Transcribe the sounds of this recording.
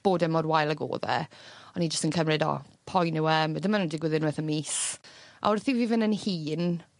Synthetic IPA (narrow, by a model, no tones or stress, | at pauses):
b̥oːdɛmɔdwajlˠəɡo̰ːðɛ̰ɔnid͡ʒəstənkʰəmrɪdɔ̰pʰɔjnɪwɛmadɪmanundɪɡwɪðɪnwɛθənmiːsʔa̰wrθiviːvɪnənhiːn